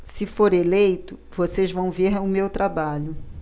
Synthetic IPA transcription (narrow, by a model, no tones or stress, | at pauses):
sɪfoɾelejt̪ʊvosezvɐ̃w̃veɾʊmewt̪ɾabaʎʊ